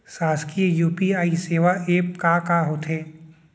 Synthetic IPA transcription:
saːskiejuːpiaːiseːʋaeːpkaːkaːɦoːt̪ʰeː

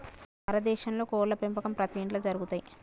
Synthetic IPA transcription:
ɐɾɐd̪ɛːʃɐnlo̞ːkɔːɾlːɐpempɐkɐmpɾɐt̪iiːɳʈloːd͡ʒɐɾuɡut̪aːji

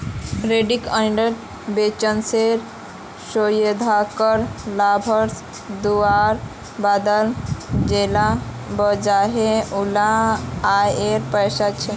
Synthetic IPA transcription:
ɾeɖikəɖəʈ | bet͡ʃənseɾ | sojed̪ʱakəɾlabʱəɾs | d̪uaɾ | bad̪əld͡ʒela | bəd͡ʒaɦeulaː | jeɾpəjsat͡ʃʰe

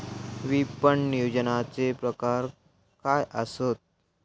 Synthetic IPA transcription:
ʋipəɳnijod͡ʑənat͡sepɾəkaɾ | kajʔəsot̪̚

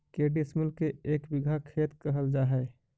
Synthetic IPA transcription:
keːɖismʊlkeeːkbɪɡʱakʰeːt̪kɐɦəld͡ʒaːɦɛː

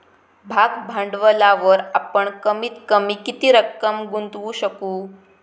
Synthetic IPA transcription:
bʱaɡbʱãɳɖʋəlaʋəɾapəɳkəmiːt̪kəmiːkit̪iːɾəkːəmɡunt̪ʋuɕəkuː

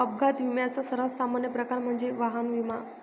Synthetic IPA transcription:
əb̚ɡʱat̪ʋimjat͡sasəɾasamanjəpɾəkaɾm̤əɳd͡zeʋaɦanʋima

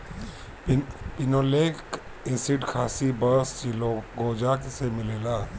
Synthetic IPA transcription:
pɪnoːleːk | ɪ̃sɪʈkʰaːsibəɾst͡ʃiloɡoːd͡ʒaksemɪleːlaː

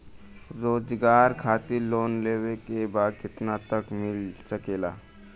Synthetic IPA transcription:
ɾoːd͡ʒɡaːɾkʰaːt̪iloːnleːʋekebaːd̪̚kɪt̪nat̪əkmɪlsɐkeːla̰ː

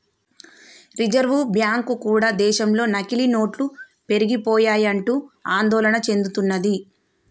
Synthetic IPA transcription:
ɾid͡ʒɐɾʋubjaːŋkukuːɽaːd̪ɛːʃɐmlo̞ːnɐkilino̞ːʈlu | pe̞ɾiɡipɔːjaːjɐɳʈuːaːnd̪ɔːlɐɳɐt͡ʃe̞nd̪ut̪unːɐd̪i

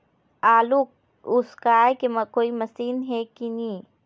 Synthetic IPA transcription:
aːluk | ʊskaekemɐkoːimɐsiːnɦɛkini

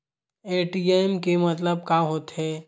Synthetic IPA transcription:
eːʈiemkemət̪ləb̚kaɦoːt̪ɦɛː

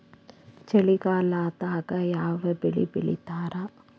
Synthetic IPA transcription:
t͡ʃɛlɪɣaːlaːt̪aːɣɐjaːʋɐbɛɭḭbɪɭɪ̰t̪ːaːɾaː

